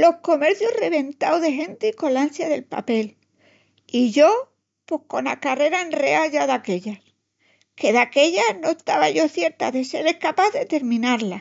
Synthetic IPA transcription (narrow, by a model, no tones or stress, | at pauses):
lo̞hko̞me̞ɾθjure̞β̞e̞nt̪awðe̞ɦẽ̞nt̪iko̞lansjaðe̞lpa̰pe̞l | iʝo̞ | pwe̞hko̞nakare̞ɾaenre̞aʝaðake̞ʎas | ke̞ðake̞ʎano̞est̪aβaʝo̞θje̞ɾt̪a̰ðe̞se̞ɾe̞hkapaððe̞t̪e̞ɾmĩnaɾla